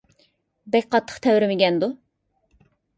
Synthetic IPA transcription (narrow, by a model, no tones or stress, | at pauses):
bɛkʲqʰɑt̪ʰːə̥χt̪ʰɛwɾɪmɪɡʲɛnd̪u